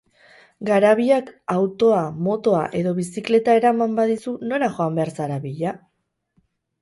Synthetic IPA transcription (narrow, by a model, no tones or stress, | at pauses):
ɡaɾaβ̞iakawt̪o̞amo̞t̪o̞aʔe̞ðo̞βisikle̞t̪ae̞ɾamambaðisuno̞ɾaxo̞ambe̞aɾsaɾaβiʎa